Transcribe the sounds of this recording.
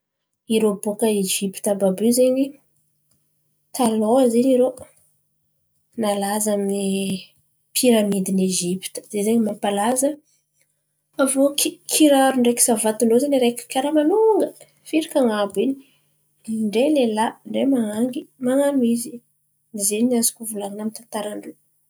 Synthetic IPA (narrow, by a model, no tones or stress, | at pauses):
iɾobokəed͡ʒipi̥t̪ababyzeɲi | t̪aloziniɾo | nalazamini | pʰiɾamid̪ineʒipi̥t̪ə̥z̥ezeɲimapalazə | avokikʰiɾaɾuɳɖ͡ʐeki̥savat̪uɳɖ͡ʐozaniɾekʲi̥kʲaɾamanuŋɡə | fiɾikaŋabini | ɳɖ͡ʐelelaɳɖ͡ʐemaŋaŋɡimaŋamizi | nizenazi̥kuvulaŋinamint̪ant̪aɾaɳɖ͡ʐe